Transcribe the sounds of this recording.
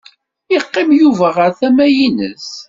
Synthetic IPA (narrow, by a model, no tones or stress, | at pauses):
iqːɪmjuvæʁəɾθæmæjinə̰s